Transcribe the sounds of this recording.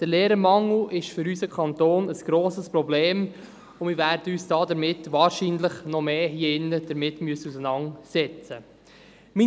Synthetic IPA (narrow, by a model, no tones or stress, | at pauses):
d̥əɾleːɾəmɑŋl̩ʔɪʃfʏɾysəkʰɑnt̪oːnəsɡ̥ɾoːsəspɾɔbleːm | ʊnmɪɾʋæːɾd̥əyːsd̥ɑːdəɾmɪtːʋɑːɾʃiːnləχnɔmeːhiəɪnːəd̥əɾmɪtmyəsəusənɑŋsɛt͡sə | mi